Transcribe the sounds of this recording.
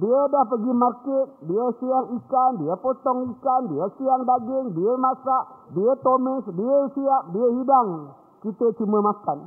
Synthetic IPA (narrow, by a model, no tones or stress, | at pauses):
diədahpəɡimarkɪt̪̚diəsiaŋikandiəpot̪ɔŋikandiəsiaŋdaɡɪŋdiəmasaʔdiət̪omɪsdiəsiap̚diəhidaŋ | kit̪et͡ʃiməmakan